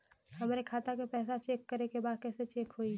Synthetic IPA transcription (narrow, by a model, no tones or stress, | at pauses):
hɐmaːɾekʰaːt̪akepɛːsat͡ʃeːkːəɾekebaːd̪̚kɛːset͡ʃeːkɦoi